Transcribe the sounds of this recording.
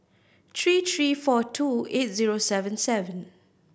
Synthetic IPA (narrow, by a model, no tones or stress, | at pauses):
t̪ʰɹiːt̪ʰɹiːfɔtʰuet̚ziɹosɛvə̃nsɛvə̃n